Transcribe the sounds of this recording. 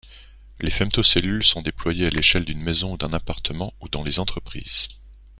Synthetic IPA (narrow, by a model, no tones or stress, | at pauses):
lefɛmt̪oselylsɔ̃d̪eplwajealeʃɛld̪ynmezɔ̃ud̪ɛ̃napaʁt̪ʰəmɑ̃ud̪ɑ̃lezɑ̃t̪χəpχḭːz̥